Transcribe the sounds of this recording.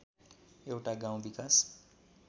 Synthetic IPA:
ewʈaɡaw̃ũʋikas

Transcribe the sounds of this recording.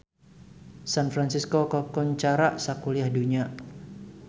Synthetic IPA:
sanfɾansiskokɔkuɲt͡ʃaɾaʔsakuliahduɲa

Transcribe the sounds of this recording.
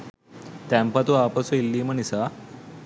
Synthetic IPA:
t̪ãmpat̪uapəsuilːiːmənisa

